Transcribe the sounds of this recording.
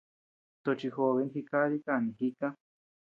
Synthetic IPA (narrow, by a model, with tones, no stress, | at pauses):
t̪o˧t͡ʃi˧xo˧βe˧˦nxi˧ka˦ɾi˦ka˧˨nĩ˨ɦi˦kã˦